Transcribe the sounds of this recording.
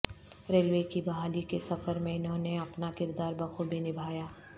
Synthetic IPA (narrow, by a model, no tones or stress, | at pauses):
ɾeːlʋeːkibɐɦaːlikesɐfəɾmẽɪnɦõːneɐpnakɪɾd̪aːɾbɐxobʱinɪbʱaːjaː